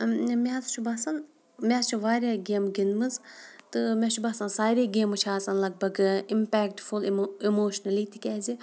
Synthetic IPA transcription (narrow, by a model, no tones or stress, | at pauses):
mʲaːzt͡ʃʰubasɐn | mʲaːt͡ʃʰuʋaːɾʲaɡʲeːmɡinmɨzt̪ɨmʲɛt͡ʃʰubaːsɐnsaːɾiːɡʲeːmɨt͡ʃʰaːt͡sɐnlɐɡ̚bɐɡɨimpɛːkʈfulimoːʃnɐlit̪ikʲɛːzi